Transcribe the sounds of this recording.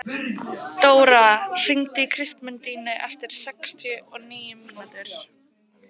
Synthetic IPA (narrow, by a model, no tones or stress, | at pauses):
t̪oːwɾar̥iŋt̪ɪikʰɾɪst̪mʏnt̪iːnɪʔɛft̪ɪɾ̥sɛkst̪ʰjʏʔɔɣniːjʏminʏnt̪ʏɾ̥